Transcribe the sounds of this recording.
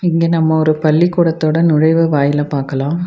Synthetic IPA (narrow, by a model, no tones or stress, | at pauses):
ɪŋɡeːnɐmːɐɔɾɯpɐlːikːuːɽɐt̪ːoːɽɐnʊɻɐɪʋɯʋaːjɪlɐpaːɾkɐlãː